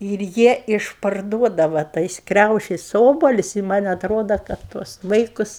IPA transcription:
ɪr ˈjiɛ ɪʃpɐrˈduɔdɐʋɐ ˈtɐɪs ˈkrʲɛʊʃʲɪs ˈoːbɐlʲʊsʲ ɪ mɐnʲ ɐtˈroːdɐ ˈkɐt tuɔs ˈʋɐɪkʊs

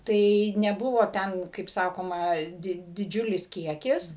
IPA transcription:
ˈtɐɪ nʲɛˈbʊʋoː ˈtʲɛn kɐɪp ˈsɑːkoːmɐ ˈdʲɪ dʲɪˈd͡ʒʲʊlʲɪs ˈkʲiɛkʲɪs

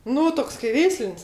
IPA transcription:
ˈnʊ ˈtoːks kɐɪ ˈʋʲɛɪsʲlʲɪnʲsʲ

